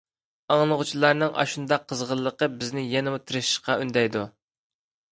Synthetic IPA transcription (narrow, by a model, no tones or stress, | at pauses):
ɑŋlˠəʁʊt͡ʃʰilˠɑɾnɨŋʔɑ̰ʃund̪ɑqʰːəzʁəlˠːəqəbɪznɪjɛnɪmut̪ʰɨɾɨʃɪ̥ʃqɑynd̪ɛjd̪u